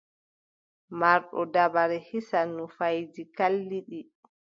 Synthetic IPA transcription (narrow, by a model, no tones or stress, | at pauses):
maɾɗɔdabaɾɛhisanːufajd͡ʒikalːiɗi